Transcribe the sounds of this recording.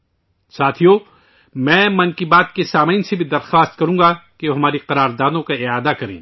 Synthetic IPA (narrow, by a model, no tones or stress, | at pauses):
saːt̪ʰijo | mɛ̃ːmɐ̃nkibaːt̪̚kesaːmaɪnsebʱid̪ɐɾxaːst̪̚kɐɾũːɡakeoɦɐmaːɾiqɐɾaːɾd̪aːd̪õkaɪaːd̪akɐɾḛ̃ː